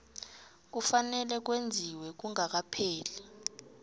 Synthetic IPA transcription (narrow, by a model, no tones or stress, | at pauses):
k̬ufanɛlɛk̬wend͡zʱiwɛk̬uŋak̬apʰɛːlɛ